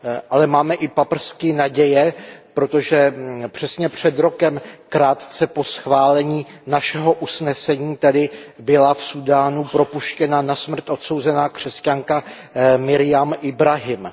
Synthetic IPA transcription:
ʔalɛmaːmɛʔɪpapr̩skɪnaɟɛjɛpɾo̞t̪o̞ʒɛpr̝̥ɛsɲɛpr̝̥ɛd̪ɾo̞kɛmkɾaːt̪t͡sɛpo̞sxvaːlɛɲiːnaʃɛɦo̞ʔusnɛsɛɲiːt̪adɪbɪlafsudaːnupɾo̞puʃcɛnanasmr̩t̪ʔo̞t̪so̞wzɛnaːkr̝̥ɛscaŋka | mɪɾɪjamʔɪbɾaɦɪm

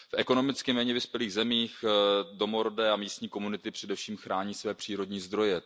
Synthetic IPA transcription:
fʔɛko̞no̞mɪt͡skɪmɛːɲɛvɪspjɛliːɣzɛmiːxdo̞mo̞ɾodɛːamiːst̪ɲiːko̞munɪt̪ɪpr̥ɛdɛfʃiːmxɾaːɲiːsvɛːpr̥iːɾo̞dɲiːzd̪ɾo̞jɛ

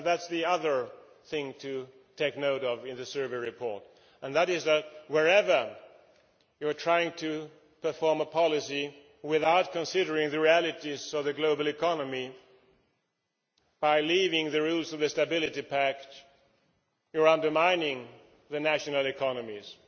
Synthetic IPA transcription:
ðætsðiʌðə˞ | θɪ̃ŋtʰɨ | tʰeɪknoʊɾʌvɪ̃nðɨsɜ˞vəɹɨpʰɔɹt | ə̃nðɨɾɪzðɨt̚wəɹɛvə˞ | jə˞tʰɹ̥aɪɪ̃ŋtʰɨ | pʰə˞fɔɹməpʰɑlˠɨsi | wɪðaʊt̚kʰə̃nsɪɾə˞ɪ̃ŋðɨɹiælˠɨɾizʌvðɨɡloʊbl̩ˠɨkʰɑnəmi | b̥aɪlivɪ̃ŋðɨɹulˠzʌvðɨstɨbɪlˠɨɾipʰæk | jə˞ʌ̃ndə˞mãɪ̃nɪ̃ŋ | ðɨnæʃɨnl̩ˠɪkʰɑnɨmiz̥

